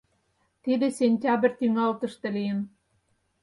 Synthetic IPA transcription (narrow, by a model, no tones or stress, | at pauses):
t̪id̪ĕsʲenʲtʲɑbrʲt̪yŋɑlt̪ɤ̆ʃt̪ĕlijə̆n